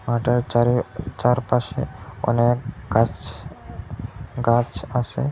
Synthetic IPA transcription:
maːʈəɾɾt͡ʃaɾpaʃeʊ̰nẽɡa | ɡat͡ʃasḛ

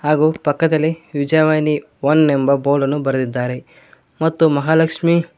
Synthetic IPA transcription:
haːɡuːpɐkːɐd̪ɐlːiʋid͡ʒaːʋaːjni | ʋonːembɐboːlɐnːubɐɾɐd̪id̪ːaːɾe | mɐt̪ːumɐɦaːlɐkʂmi

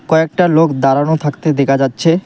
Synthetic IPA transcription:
kɔek̚ʈalokd̪aɾanot̪ʰakt̪ed̪ɛkʰad͡ʑatːɕʰe

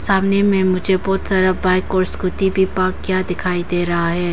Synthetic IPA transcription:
saːmnemẽmʊd͡ʒʱebɔːt̪saːɾabaːɪkɔːɾskʊt̪ibʱipaːkːjaːd̪ɪkʰaːid̪eːɾɐɦaɦɛː

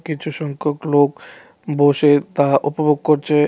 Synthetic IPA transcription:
kit͡ɕʰuʃɔŋkʰoklok | boʃet̪aʔopoboɡ̚koɾt͡ɕʰe

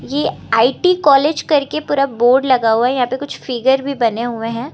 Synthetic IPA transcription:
jeaːiʈikɔːleːd͡ʒkɐɾkepuːɾaboːɾɖlɐɡaɦuaɦɛjɐɦãːpekʊt͡ʃʰfɪɡəɾbʱibɐneɦʊẽɦɛ̃ː

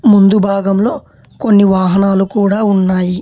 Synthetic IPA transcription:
mund̪ubʱaːɡɐmlo̞ː | ko̞nːiʋaːɦɐnaːlukuːɽaːunːaːji

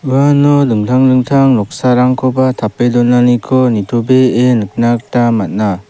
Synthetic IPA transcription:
ɯwanɔdɯŋtʰaŋlɯŋtʰaŋlɔk̚saɾaŋkʰɔbatʰapedɔnːanikʰɔnitʰubeenɯk̚nak̚tamat̚na

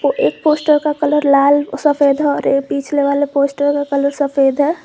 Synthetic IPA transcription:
poʔeːk̚poːsʈəɾkakələɾlaːlsəfeːd̪ʱɦɛɔːɾekpiːt͡ʃʰleʋaːlepoːsʈəɾkakələɾsəfeːd̪ʱɦɛ

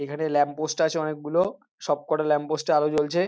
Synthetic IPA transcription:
ekʰanelɛmposʈaat͡ɕʰeɔnek̚ɡulo | ʃɔb̚kɔʈalɛmposʈaalot͡ɕolt͡ɕʰe

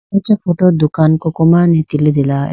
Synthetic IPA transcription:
ɔt͡ʃafoʈod̪ukankokomanet̪iled̪ila

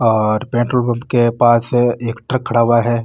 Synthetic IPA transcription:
ɔːɾpẽːɳʈɾolbə̃mbkepaːseːkʈɾɐkʰːɐɽaːʋaɦɛː

